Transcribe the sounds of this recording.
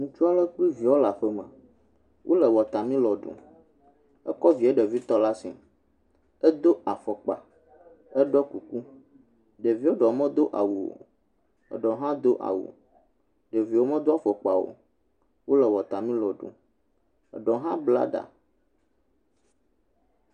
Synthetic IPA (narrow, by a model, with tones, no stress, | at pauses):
ŋũ˨t͡ʃu˦a˦lə˦k͡pi˦vi˨wo˦la˨ɸə˦mə̰̃˨ | wʔo˦lə˨wɔ˨t̪a˨mĩ˦lɔ˨ɖṵ˨ | ɛ˦kɔ˦vi˨ɛ˦ɖe˨vi˦t̪ɔ˦la˦sḭ˨ | ɛ˦d̪o˦a˨fɔ˨k͡pa̰˨ | ɛ˦ɖɔ˦ku˨ku˦ | ɖe˨vi˦o˦ɖɔ˨mə̃˦d̪o˦ʔa˨wu˨wo̰˨ | ɛ̰˨ɖɔ˨ɦã˦d̪o˦ʔa̰˨wṵ˨ | ɖe˨vi˨wo˦mə̃˦d̪o˦a˦˨fɔ˨k͡pa˨wo̰˨ | wo˦lɛ˨wɔ˨t̪a˨mĩ˦lɔ˨ɖṵ̃˨ | ɛ̰˨ɖɔ˨ɦã˦bla̰˦ɖa̰˨